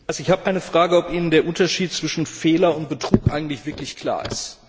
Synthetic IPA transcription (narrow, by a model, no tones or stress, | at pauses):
ʔalzoɪçhaːbəʔaɪnəfʁ̥aːɡəɔpʔiːnəndeːɐʔʊntɐʃiːt̚t͡sv̥ɪʃn̩feːlɐʊnt̚b̥ətʁ̥uːkʔa̰ɪɡŋ̩tlɪçv̥ɪɐklɪçkʰl̥a̰ːɐɪ̰st